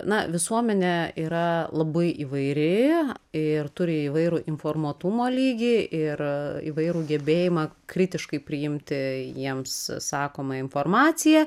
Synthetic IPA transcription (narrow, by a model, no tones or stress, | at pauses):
nɐʋʲɪsuɔmʲɛnʲɛiːɾɐlˠɐbɐɪʔiːʋɐɪɾʲɪɪrt̪ʊɾʲɪiːʋɐɪɾuːʔɪnfoːrmuɔt̪ʊmoːlʲiːɡʲiʔɪrḭːʋɐɪɾuːɡʲɛbʲeːjɪmɑkɾʲɪt̪ʲɪʃkɐɪpʲɾʲɪjɪmʲt̪ʲɪjiɛmssɑːkoːmɐɪnfoːrmɑːt͡s̪ʲɪjɛ